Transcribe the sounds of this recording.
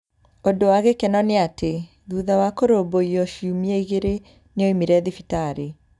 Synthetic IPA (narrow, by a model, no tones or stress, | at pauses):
odowaɣekɛnɔneate | ðuðawakoɾoboiɔʃiumieiɣeɾe | neoimiɾɛðifitaɾe